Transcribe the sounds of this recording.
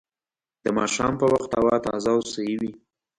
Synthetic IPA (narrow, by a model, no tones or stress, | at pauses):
d̪əmɑʃɑmpəwaxt̪awɑt̪ɑ̰zɑwsəjiwi